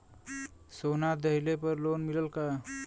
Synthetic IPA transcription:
sonad̪əɦilepəɾlonmiləlka

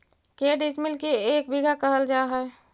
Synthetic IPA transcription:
keɖismilkeek̚biɡʱakəɦəld͡ʒaɦɛe

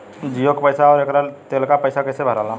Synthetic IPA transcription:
d͡ʒijokpəɪsaɔːɾekɾat̪eːlkapəɪsakəɪsebʱəɾala

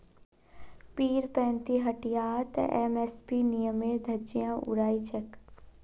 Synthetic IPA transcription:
piːɾpɛ̃ːnt̪iɦɐʈijaːt̪ɛ̰meːspinijəmeːɾd̪ʱɐd͡ʒijãːʔʊ̰ɾaːit͡ʃək

